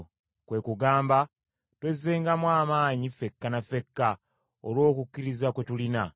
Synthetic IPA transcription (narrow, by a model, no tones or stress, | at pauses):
kwe̞kuɡaːmba | twe̞zːeːŋɡamwaːmaːɲife̞kːanafe̞kːa | o̰lwo̞ːkukʲːiɾizakwe̞tulina